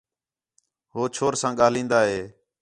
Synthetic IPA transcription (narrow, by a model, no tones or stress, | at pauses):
ɦoːt͡ʃʰoːɾsãːɠaːlĩːnd̪aːɦeː